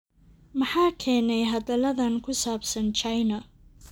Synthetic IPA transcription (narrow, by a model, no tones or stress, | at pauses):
mɐħaːkʰɛːnɛjɦɐðɐlɐðɐnkʰʊsaːbsɐnt͡ʃʰajnɐ